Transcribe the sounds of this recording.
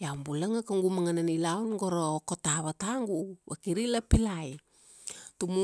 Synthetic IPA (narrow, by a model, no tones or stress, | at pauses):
jawmbulaŋakaŋɡumaŋananilawnɡoɾaokotaβataŋɡuβakiɾilapilaj | tumu